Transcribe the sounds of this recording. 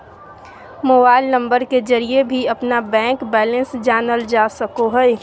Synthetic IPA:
moːbaːɪlnə̃mbəɾked͡ʒəɾiebʱiɐpnabɛ̃ːŋkbɛːlə̃nsd͡ʒaːnəld͡ʒaːsəkoɦɛɛ

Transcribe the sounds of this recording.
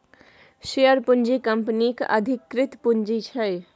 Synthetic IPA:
ʃejəɾpund͡ʒikəmpnikə̰d̪ʱikːɾɪt̪pund͡ʒit͡ʃʰɛ

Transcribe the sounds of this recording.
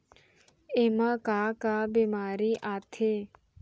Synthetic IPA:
emakaːkaːbimaːɾiːʔaːt̪ʰe

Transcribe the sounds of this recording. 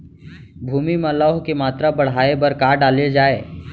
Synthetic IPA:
bʱuːmimãlɔɦkemaːt̪ɾabɐɽ̤aːebɐɾkaːɾɖaːled͡ʒaːeː

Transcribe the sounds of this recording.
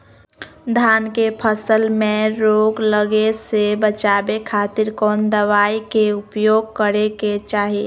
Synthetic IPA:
d̪ʱaːnkepʰəsəlmẽɾoːɡləɡesebət͡ʃaːbekʰaːt̪ɪɾkɔːnd̪əʋaːikeʊpjoːɡ̚kəɾeket͡ʃaːɦie

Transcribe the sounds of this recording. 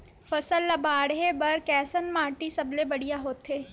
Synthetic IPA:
fɐsəlːɐbaːɽɦebɐɾkɛːsənmãːʈisɐblebɐɽijaɦoːt̪ːeː

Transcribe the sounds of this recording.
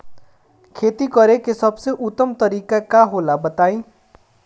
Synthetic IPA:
kʰeːt̪ikʌɾekesʌbseʔut̪ːəmt̪əɾiːkakaɦolabət̪aːĩ

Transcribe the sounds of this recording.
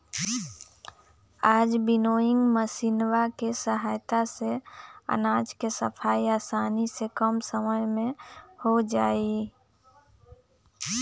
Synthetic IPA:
aːd͡ʒbɪnoːɪ̃ŋɡməsinwakesəɦaːjt̪aseə̰naːd͡ʒkesəpʰaːiaːsaːnisekəmsəməjmẽhod͡ʒaːi

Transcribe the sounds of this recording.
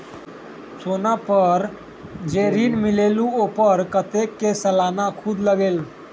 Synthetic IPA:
sonapəɾ | d͡ʒeɾinmileluopəɾkət̪ekːesəlanakʰud̪ʱləɡeːl

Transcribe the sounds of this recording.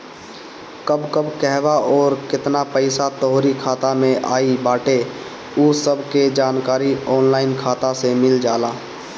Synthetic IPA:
kəbkəbkɛɦbaɔːɾkɪt̪napəɪsat̪əɦoɾikʰaːt̪amẽʔa̰ːibaːʈe | uːsəbʱked͡ʒaːnkaːɾiɔːnlaːɪnkʰaːt̪asemɪld͡ʒaːlaː

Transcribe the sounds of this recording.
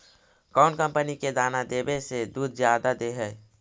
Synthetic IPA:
kɔʊnkəmpəniked̪anad̪ebesed̪uːd̪d͡ʒjad̪ad̪eɦɛ

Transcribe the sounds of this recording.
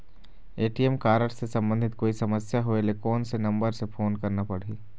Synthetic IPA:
eːʈiɛmkaːɾəɽsesɐ̃mbə̃nd̪ʱɪt̪koːisɐməsjaɦoelekɔːnsenɐ̃mbəɾsefʰoːnkɐɾnapɐɽ̤iː

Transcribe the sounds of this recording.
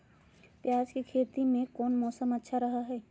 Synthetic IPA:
pjaːd͡ʒkekʰeːt̪imẽkɔːnmɔːsəmətːʃʰaɾɐɦaɦɛː

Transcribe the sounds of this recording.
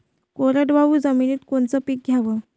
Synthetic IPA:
koɾəʈʋaʋuːd͡zəminiːt̪koɳt͡səpiːk̚ɡʱjaʋə

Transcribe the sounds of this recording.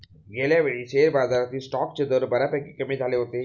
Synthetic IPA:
ɡeljaʋeɭiːɕeɾbad͡zaɾat̪iːlsʈɔk̚t͡ɕed̪əɾbəɾapɛkikəmiːd͡zʱaleɦot̪e

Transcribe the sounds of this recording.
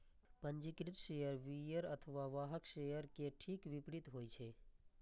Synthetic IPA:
pəɲd͡ʒikɾit̪ʃejəɾʋijəɾət̪ʰəʋaʋaɦəkʃejəɾkeʈʰikʋipɽit̪ɦojt͡ʃʰe

